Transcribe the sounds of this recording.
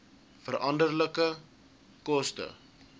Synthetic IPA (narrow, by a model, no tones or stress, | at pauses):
fəɾʔɐndərləkə | kɔstə̰